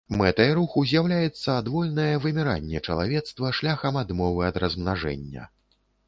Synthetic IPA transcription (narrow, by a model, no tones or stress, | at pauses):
mɛt̪ɐjɐɾuxuzʲjawlʲajɛt̪sːɐad̪vɔlʲnɐjɛvɨmʲiɾa̰nʲːɛt͡ʂɐlˠa̰vʲɛt̪st̪vɐʂlʲaxɐmad̪mɔvɨɐd̪ɾɐzmnaʐɛ̰nʲːɐ̰